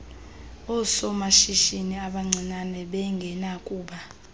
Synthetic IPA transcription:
ɔsɔmaʃiʃiniaɓaŋ͡ǀʱinanɛɓɛŋɡʱɛnakʼuːɓa

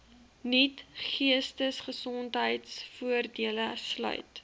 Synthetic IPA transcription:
nitχiəstəsχəsɔntɦəjtsfuərdiələslœ̰ɥt

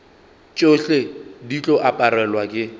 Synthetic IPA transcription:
t͡ʃʼoɬedit͡ɬʼɔʔapʼaɾɛlwakʼɪ

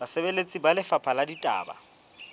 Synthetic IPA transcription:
asɛbelet͡sʼibalɪfapʰaladitʼa̰ːba̰

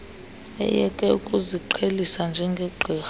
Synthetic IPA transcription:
ɛ̰jɛkʼɛukʼuziǃʰelisand͡ʒʱɛŋɡʱɛǃʱɛːx

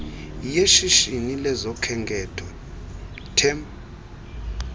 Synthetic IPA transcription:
jeʃiʃinilɛzɔkʰɛŋɡʱɛtʰɔ | tʰɛm

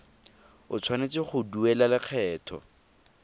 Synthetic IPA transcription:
ʊ̰t͡sʰwanet͡sɪχʊduɛlalɪq͡χʰɛːtʰɔ̰

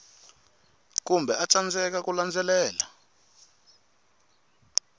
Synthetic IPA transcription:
kumbʱɛat͡sand͡zɛk̬akuland͡zɛlɛːla

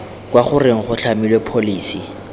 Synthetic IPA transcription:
kwaχʊrɪŋ̩χʊɬʰamilwepʰoliːsi

